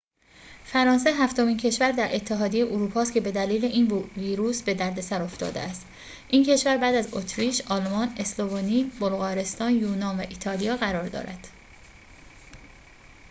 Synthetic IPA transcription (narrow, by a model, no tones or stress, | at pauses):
fæɾɒːns̬eɦæft̪o̞miːncʰe̞ʃvæɾd̪æɾʔe̞t̪ʰːeɦɒːd̪ijejeʔoɾuːpʰɒːst̪cʰe̞be̞d̪æliːle̞ʔinviːɾuːsbe̞d̪æɾd̪e̞sæɾo̞ft̪ɒ̰ːd̪ḛæst̪ | ʔincʰe̞ʃvæɾbæːd̪æzot̪ʰɾiːʃɒlmɒːne̞slovoniːbolɣɒːɾe̞st̪ɒːnjuːnɒːnvæʔit̪ʰɒːlijɒːɣæɾɒːɾd̪ɒ̰ːɾæd̪̥